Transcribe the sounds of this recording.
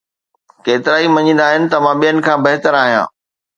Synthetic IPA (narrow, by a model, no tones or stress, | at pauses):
keːt̪ɪɾaːimɐɲĩːnd̪aːɦɪnɪ̆t̪ɐmãɓijənɪ̆kʰãːbɐɦɪt̪əɾaːɦijã̰ː